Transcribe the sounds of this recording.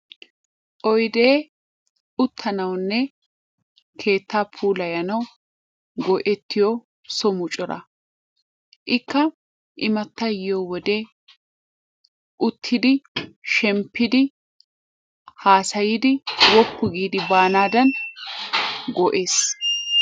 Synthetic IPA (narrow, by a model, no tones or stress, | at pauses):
ʔɔjd̪eː | ʊt̪ʰːɐnɐwnːɛ | kʰe̞ːt̪ːaːpʰuːlɐjɐnɐw | ɡɔʔɛt̪ːɪjɔ | sɔmʊt͡ʃʼɔɾɐ̰ | ʔɪkːɐ | ʔɪmɐt̪ːɐjɪjowɔd̪e | ʔʊt̪ʰːɪd̪ɪʃɛmpːɪd̪ɪ | haːsɐjɪd̪ɪwɔpːʊɡiːd̪ɪbaːnaːd̪ɐn | ɡɔʔeːs